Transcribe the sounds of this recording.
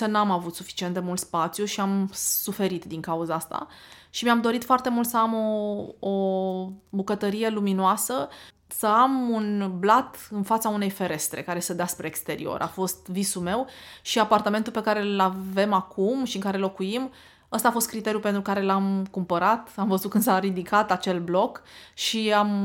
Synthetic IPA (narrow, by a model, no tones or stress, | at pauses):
sənamavut̪sufi̥t͡ʃient̪d̪e̞mult̪spat̪sjuʃiamsufe̞ɾit̪d̪iŋkauzaast̪a̰ | ʃimamd̪o̞ɾit̪foart̪e̞mult̪səamoo | bukət̪əɾije̞luminoasə | səamunblat̪ɨnfat̪saune̞jfe̞ɾe̞st̪ɾe̞̰kaɾe̞səd̪easpɾe̞ːkst̪e̞ɾḭo̞̰ɾʔa̰fo̞st̪visume̞wʃiapart̪ame̞nt̪ulpe̞kaɾe̞llave̞makʰumʃiɨŋkaɾe̞lo̞kujim | əst̪aːfo̞st̪̚kɾit̪e̞ɾjupent̪ɾukaɾe̞lamkumpəɾat̪amvəzut̪̚kɨnd̪saɾid̪ikʰat̪at͡ʃe̞lblo̞kʃiam